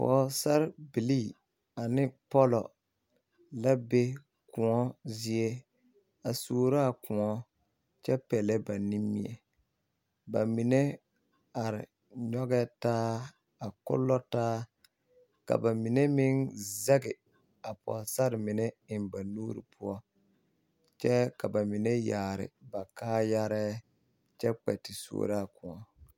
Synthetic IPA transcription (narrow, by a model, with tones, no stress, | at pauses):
pɔ̰˨sa˦ɾbi˨li˦˨ | a˨nɪ˦pɔ˦lɔ̰˨ | la˦be˦ | kʊ˨ŋɔ˦zi˦e˦ | a˨soː˨ɾa˦a˦˨kʊ˨ŋɔ˦ | t͡ʃɛ˦pɛ˨lɛ˦ba˨ni˦mːi˦˨ɛ̰˨ | ba˨mi˨ne˦ | a˨ɾɪ˨ | ɲɔ˦ɡɛ˦taː˦ | a˨kʊ̰˦lːɔ˦taː˦ | ka̰˨ba˨mɪ˨ne˦mɪ˦nzɛ˦ɡɪ˨ | a˨pɔ̰˨sa˦ɾɪ˨mɪ˨nɛ˦ɪ˨nba˨nuː˦ɾḭ˨pʰʊ˦ɔ˦ | t͡ʃɛ˦ka˨ba˨mɪ˨nɛ˦jaː˨ɾɪ̰˨ba˨kaː˦ja˦ɾɛː˦ | t͡ʃɛ˦k͡pɛ̰˨tɪ˨so̰ː˨ɾa˦˨kʊ˨ŋɔ˦